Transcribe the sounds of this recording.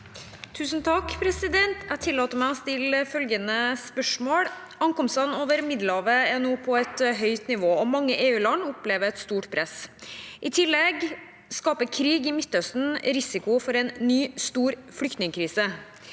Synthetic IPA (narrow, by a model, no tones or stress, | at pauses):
t̪ʰʉːsnt̪ʰɑkpʰɾɛsɪd̪ɛnt̪æt̪ʰɪlːɑːt̪əmæɪɔst̪ɪlfœlɡənəspœʂmoːɽ | ɑŋkɔmsɑnoːʋəɾmɪd̪l̩ɑːʋəɛnuːpʰɔɛt̪ɦœʏt̪nɪʋoːɔmɑŋːəʔeːʉːlɑnʊpleːʋəɾɛt̪st̪uːʈpʰɾɛsʔɪt̪ʰɪlːɛɡ | skɑːpəkʰɾiːɡɪmɪt̪ːœst̪n̩ɾɪsɪkʊfɔɾɛnːyːst̪uːɾfɽʏkt̪nɪŋkʰɾiːsə